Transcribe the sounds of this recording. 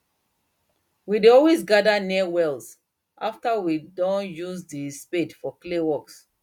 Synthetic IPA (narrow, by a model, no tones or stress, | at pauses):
wideɔlwezɡadaniwɛls | ʔa̰ftawidɔ̃njuzdispedfɔklewɔks